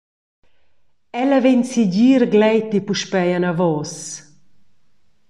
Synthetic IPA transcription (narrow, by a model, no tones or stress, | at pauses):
ɛlavensiɟiːɾɡlɛjt̪ipuʃpɛjanavɔs